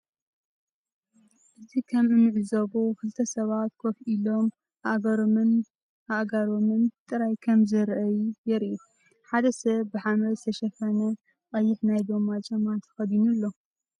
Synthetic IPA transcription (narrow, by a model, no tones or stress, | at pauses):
ʔɨzʰikʰɐmɨnɨʕɨzɐβokʰɨlt̪ʰɐsɐβat̪kʰofʔilo̞m | a̰ʔɡɐɾomɨn | aʔɡaɾomɨnt̪ʼɨɾajkʰɐmzɨɾʔɐjjɛɾʔu | ħad̪ɐsɐβːɨħamɾɐst̪ʰɐʃɐfɐnɐ | qʼɐjːɪħnajd̪omat͡ʃʼɐmat̪ʰɐ̥xɐd̪inulːo̞